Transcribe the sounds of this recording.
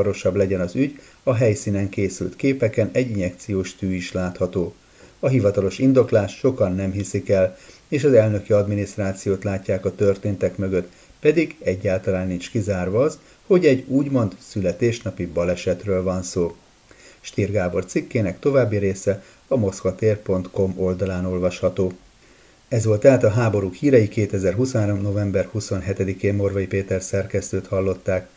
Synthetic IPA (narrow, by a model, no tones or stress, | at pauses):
ɒɾo̞ʃɒblɛɟɛnɒzyɟ | ɒɦɛjsiːnɛŋkeːsy̰lt̪keːpɛkɛnɛɟːinɛk̚t̪sijoːʃt̪yːiʃlaːt̪hɒt̪oː | ɒɦivɒt̪ɒlo̞ʃind̪o̞klaːʃːo̞kɒnːɛmɦisikɛl | eːʃɒzɛlnø̞kiɒd̪minist̪raːt̪sijoːt̪laːcːaːkɒt̪ørt̪eːnt̪ɛkmøɡø̞t̪ | pɛd̪iɡɛɟːaːlt̪ɒlaːnːint͡ʃkizaːrvɒːz | ho̞ɟɛɟuːɟmo̞nt̪sylɛt̪eːʃnɒpibɒlɛʃɛt̪røːlvɒnsoː | ʃt̪iːrɡaːbo̞rt̪sikːeːnɛkt̪o̞vaːbːiɾeːsɛ | ɒmo̞skɒt̪eːrpo̞nt̪ko̞mo̞ld̪ɒlaːno̞lvɒʃhɒt̪oː | ɛzʋo̞lt̪ɛaːt̪ɒɦaːbo̞ɾukhiːɾɛjikeːt̪ɛzɛrɦusnaːɾo̞mno̞vɛmbɛrhuso̞nɦɛt̪ɛd̪ikeːmːorvɒjipeːt̪ɛrsɛrkɛst̪øːt̪hɒlːo̞t̪ːaːk